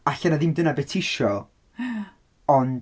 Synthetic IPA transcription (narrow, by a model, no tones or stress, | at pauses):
aɬɛnaðɪmdənabɛtʰɪʃɔ | ɔn